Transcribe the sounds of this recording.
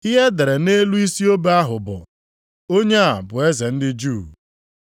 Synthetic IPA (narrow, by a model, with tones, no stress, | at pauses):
i˦ɦe˦de˨ɾe˨ne˦lu˦i˦si˦o˦be˦a˦ɦʊ˨bʊ˨ | o˦ɲe˦a˨bʊ˨e˦ze˨n̩˦dɪ˦d͡ʒuː˦˨